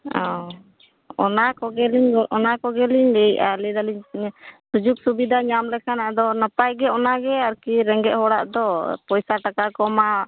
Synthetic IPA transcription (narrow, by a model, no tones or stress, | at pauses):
ɔ̃ | ɔ̰nakɔɡɛliɲɔnakɔɡɛliɲdɛjalid̪aliɲsud͡ʒuk̚subid̪ʱaɲamlɛkʰanad̪ɔnəpajɡɛɔnaɡɛaɾkiɾɛŋɡɛ̰ʔ̚ɦɔɽaʔd̪ɔpɔjsaʈakakɔma